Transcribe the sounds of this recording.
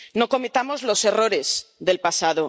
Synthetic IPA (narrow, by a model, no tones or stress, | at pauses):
no̞ko̞met̪amo̞zlo̞se̞ro̞ɾe̞zðe̞lpasað̞o